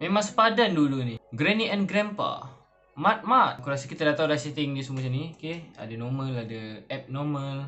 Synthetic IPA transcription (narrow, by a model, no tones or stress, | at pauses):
mẽmãŋsə̥padanduluniɡɾɛniɛnɡɾɛmpa̰ | mat̪̚mat̪̚kuɾas̬əkit̪adat̪audasit̪ɪŋdis̬əmuəs̬iniokea̰danɔmə̃ladəɛp̚nɔmə̃l